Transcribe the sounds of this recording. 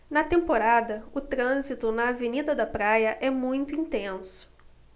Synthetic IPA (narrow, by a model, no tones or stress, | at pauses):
nɐt̪ẽmpoɾad̪ɐʊt̪ɾɐ̃zit̪ʊnɐːvenid̪ɐd̪ɐpɾajɐʔɛmũj̃t̪ʊĩnt̪ẽsʊ̥